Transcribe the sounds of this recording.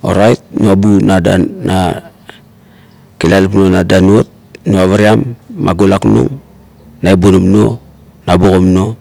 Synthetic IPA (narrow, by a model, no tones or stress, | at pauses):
o̰ɾajt̚noabunada̰na | kilalipnonadanuot̚noaβaɾiamːa̰ɡolaknṵŋ | naebonomno | nabokomno̞